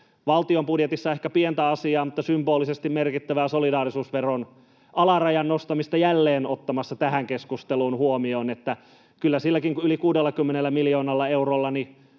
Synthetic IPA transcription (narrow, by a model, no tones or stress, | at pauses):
ʋɑlt̪iompudjet̪isːɑehkæpient̪æɑsiɑːmut̪ːɑsymboːlːisest̪immerkit̪ːæʋæːsolidɑːrisuːsʋeron | ɑlɑrɑjɑnnost̪ɑmist̪ɑjælːeːnot̪ːɑmɑsːɑt̪æhæŋkeskust̪eluːnhuomioːnet̪ːæ | kylːæsilːækiŋkuylikuːdelːɑkymːenelːæmilioːnɑlːɑeurolːɑni